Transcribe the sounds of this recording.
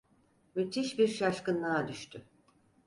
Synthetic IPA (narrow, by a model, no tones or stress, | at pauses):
myt̪ʰiʃbiɾʃaʃkɯnːˠaad̪yʃt̪ʰy